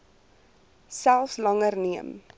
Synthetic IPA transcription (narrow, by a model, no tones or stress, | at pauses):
sælˠfslɐŋərniəm